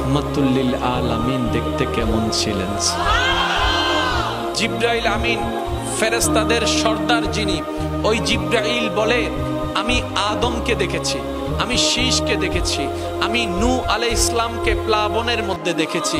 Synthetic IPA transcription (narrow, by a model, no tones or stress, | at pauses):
mat̪ulːilaːlamind̪ek̚ʰt̪ekɛmont͡ɕʰilḛns | d͡ʑibɾailamin | feɾost̪ad̪eɾʃɔɾd̪aɾd͡ʑini | ojd͡ʑibɾailbole | amiad̪omked̪ekʰet͡ɕʰi | amiʃiʃked̪ekʰet͡ɕʰi | aminuʔalejslamkeplaboneɾmod̪ʱːed̪ekʰet͡ɕʰi